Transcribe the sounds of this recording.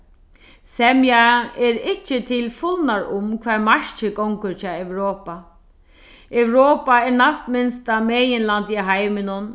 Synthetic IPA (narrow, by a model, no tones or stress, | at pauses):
sɛmjaɛɾɪht͡ʃːɪt̪ʰɪlfʊlnaɹʊmkʰʋaːɹmaɹt͡ʃɪkɔwŋkʊɾt͡ʃʰɑːɛwɾoːpa | ɛwɾoːpaɛɹnast̪mɪnst̪amɛːjɪnlant̪iɦajmɪnʊn